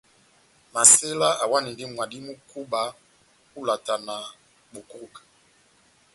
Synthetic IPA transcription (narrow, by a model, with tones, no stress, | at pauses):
ma˨se˦la˦ʔa˨wa˦ni˨ndi˦mwa˨di˦mu˦ku˦ba˨ | ku˦la˨ta˨na˨ | bu˨ku˦u˦˨kḁ˨